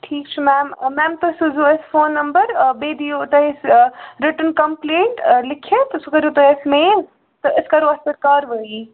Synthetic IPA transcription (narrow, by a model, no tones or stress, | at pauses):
ʈʰiːk̚t͡ʃʰimɛːmːɛːmt̪ɐsuzuɐsfoːnːɐmbəɾbeːd̪ijot̪ɐɦesɾɪʈənkɐmplẽːɳʈlɪkʰet̪ɐsukɐɾot̪ɐɦesmeːn | t̪ɐʔɪskɐɾoɐsɐɾkaːɾʋɐi